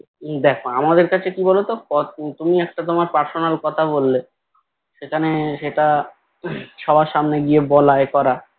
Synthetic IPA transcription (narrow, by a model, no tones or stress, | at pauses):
d̪ɛkʰoamad̪eɾkat͡ɕʰekibɔlot̪okɔt̪umiɛk̚ʈat̪omaɾpaɾsonalkɔt̪ʰabolːe | ʃekʰaneʃeʈa | ʃɔbʱaʃamneɡiebɔlaekɔɾa